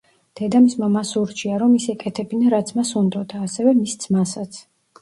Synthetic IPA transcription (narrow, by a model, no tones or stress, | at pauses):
d̪̥ɛd̪amismamasuɾt͡ʃʰiaɾɔmisɛkʼɛt̪ʰɛbinaɾat̪sʰmasund̪ɔd̪aːsɛvɛmist̪sʰmasat̪sʰ